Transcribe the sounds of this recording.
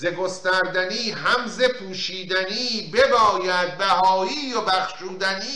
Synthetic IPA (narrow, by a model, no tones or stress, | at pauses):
zeɡo̞st̪æɾd̪æniːɦæmzepʰuːʃiːd̪æniːbebɒːjæd̪̚bæɦɒːiːjobæχʃuːd̪æniː